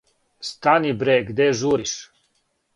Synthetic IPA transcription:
st̪anibɾeɡd̪eʒuɾiʃ

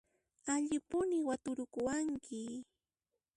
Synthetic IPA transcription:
aʎɪpʊnɪwat̪ʊɾʊkʊwaŋkʰɪ

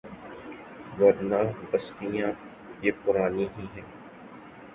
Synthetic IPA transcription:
ʋɐɾnãːbɐst̪ijã | jeːpʊɾaːniɦĩɦɛ̃ː

